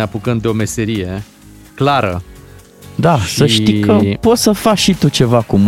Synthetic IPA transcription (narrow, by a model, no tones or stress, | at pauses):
eapukənd̪eome̞se̞ɾije̞ | klaɾə̰ | d̪asəʃt̪ikəpo̞t̪səfakʃit̪ut͡ʃe̞vakum